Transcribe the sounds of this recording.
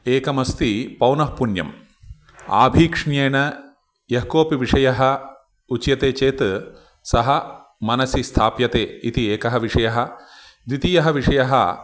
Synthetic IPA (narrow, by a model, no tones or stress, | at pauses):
eːkɐmɐst̪ipɐwnɐɦpunjɐ̰m | a̰ːbʱiːkʂɳjeːnɐ | jɐɦkoːpiʋiʂɐjɐɦɐ | ut͡ʃjɐt̪eːt͡ʃeːt̪ | sɐɦɐ | mɐnɐsist̪ʰaːpjɐt̪eːit̪ieːkɐɦɐʋiʂɐjɐɦɐ̆ | d̪it̪ijɐɦɐʋiʂɐjɐɦɐ̰